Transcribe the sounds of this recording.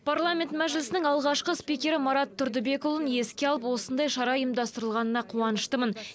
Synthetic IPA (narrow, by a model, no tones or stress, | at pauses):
pʰaɾlˠamʲe̞nt̪mæʒlɪsɪnɪŋɑlˠʁɑʃqəspijkʲe̞ɾɪmɑɾɑt̪ʰːʊɾd̪ɪbe̞kolˠənje̞skʲeɑlˠəpwo̞sənd̪ɑjʃɑɾɑəjəmd̪ɑst̪əɾəlˠʁɑnənɑqʰuɑnəʃt̪əmən